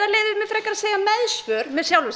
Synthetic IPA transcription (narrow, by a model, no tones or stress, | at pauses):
aɾleːðɪmɛðfɪɾɛjkːaɾaðseːjamɛðsvœːɾ̥mɛðsjawlvʏs